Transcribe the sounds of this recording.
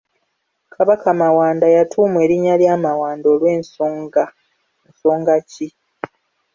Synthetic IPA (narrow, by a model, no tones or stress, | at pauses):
kʰaβakamawaːndajatʰuːmue̞ːɾiɲaljaːmawaːndo̞ːlwe̞ːnsoŋɡa | nso̞ːŋɡaci